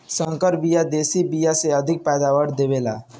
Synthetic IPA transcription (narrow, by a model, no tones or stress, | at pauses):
sə̃ŋkəɾbijad̪eːsibijaseəd̪ʱɪk̚pɛːd̪awəɽd̪ebela̰ː